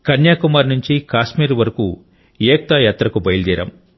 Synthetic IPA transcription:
kɐnjaːkumaːɾnuɲt͡ʃikaːʃmiːɾʋɐɾɐku | jeːk̚t̪ajaːt̪ɾɐkubɐjild̪iːɾɐ̰m

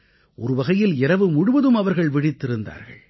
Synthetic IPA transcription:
ʔɔɾɯʋɐɣɐjɪlɪɾɐʋɯmʊɽʊʋɐðɯmɐʋɐɾɣɐɭʋɪɽɪt̪ːɪɾɯnd̪a̰ːɾɣɐ̰ɭ

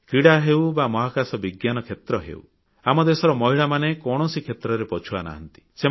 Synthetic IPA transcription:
kɾiɽaɦewbamɔɦakasɔbiɡjanɔkʰet̪ɾɔɦḛw̰ | amɔd̪esɔɾɔmɔɦiɭamanekɔɽ̃ɔsikʰet̪ɾɔɾepɔt͡ʃʰuana̰ɦɔ̰nt̪i̥se

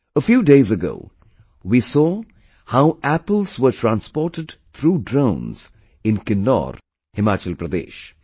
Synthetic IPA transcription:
əfjuːɖeːzəɡo̰ʊ | wiːsɔː | haʊʔæpəlzwəʈʰɾãnspɔːɾʈəɖt̪ʰɾuːɖɾõʊ̃nz̥ | ɪ̃nkɪnːɔ̰ːɾ | hɪmaːt͡ʃəlpɾɐd̪ḛːʃ

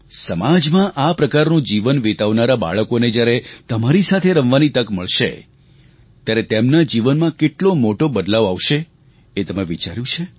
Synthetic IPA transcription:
səmad͡ʒmãʔapɾəkaɾnũd͡ʒiʋənʋet̪aʋnaɾaba̰ɭəkoned͡ʒjaɾet̪əmaɾisat̪ʰeɾəʋʋanit̪əkməɭʃḛ | t̪jaɾet̪emnad͡ʒiʋənmãkeʈlomoʈobəd̪laʋaʋʃe | et̪əmeʋit͡ʃaɾjũt͡ʃʰe

